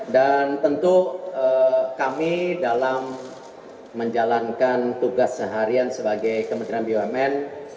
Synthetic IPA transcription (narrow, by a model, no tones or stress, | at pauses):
dant̪ənt̪uəkamidalamː | əɲd͡ʒalankant̪uɡasːəɦaɾiansəbaɡajkəmənt̪ɾianbioɛmɛn